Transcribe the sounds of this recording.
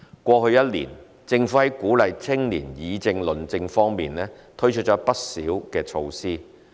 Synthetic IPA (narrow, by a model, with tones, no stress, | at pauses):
kʷɔː˧hɵ˧ɥjɐ˥t̚lḭː˨˩n | t͡sɪ˧ŋfu˨˥hɐ˨˦˥jkuː˨˥lɐ˨jt͡sʰɪ˥ŋlḭː˨˩njiː˨˧t͡sɪ˧ŋlɵ˨˩nt͡sɪ˧ŋfɔː˥ŋmiː˨nlɛː˥t̪ʰɵ˥ɥt͡ʃʰɵ˥t̚t͡ʃɔː˨˥pɐ˥t̚sḭː˨˥wkɛː˧t͡ʃʰo˧wsiː˥